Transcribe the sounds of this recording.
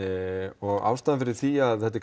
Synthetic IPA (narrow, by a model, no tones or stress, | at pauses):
ɪɔɣa̰ːwst̪aːðafɪɾɪɾ̥θiaðθɛt̪̬ːɪk